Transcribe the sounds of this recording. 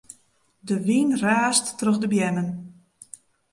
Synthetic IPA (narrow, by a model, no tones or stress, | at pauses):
dəʋinraːstːrɵxdəbjɛnən